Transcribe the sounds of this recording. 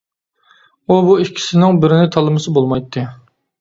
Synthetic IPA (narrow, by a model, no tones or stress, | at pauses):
ubuikʲʰːi̥sɪnɪŋbɪɾɪnɪt̪ʰɑlˠɨmɨsɨbolˠmɑjt̪ʰːɨ